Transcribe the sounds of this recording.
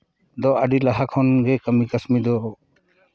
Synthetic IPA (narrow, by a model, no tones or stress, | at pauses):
d̪ɔəɖilaɦakʰɔnɡɛkəmikəsmid̪ɔ